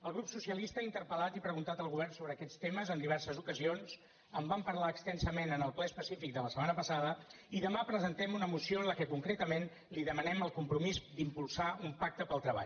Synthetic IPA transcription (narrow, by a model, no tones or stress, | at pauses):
əlˠɣɾupsusiəlist̪əaint̪ərpəlat̪ipɾəɣunt̪at̪əlˠɣuβɛrnsoβɾəːkɛt̪st̪eməzənd̪iβ̞ɛɾsəzukəzions | əmbampəɾlaəkst̪ɛnsəmenənəlˠplɛspəsifik̚d̪ələsəmanəpəsaðə | iðəmapɾəzənt̪ɛmunəmusioənləkɛkuŋkɾet̪əmen | liðəmənɛməlˠkumpɾumizd̪impulˠsaumpak̚t̪əpəlˠt̪ɾəβa̰ʎ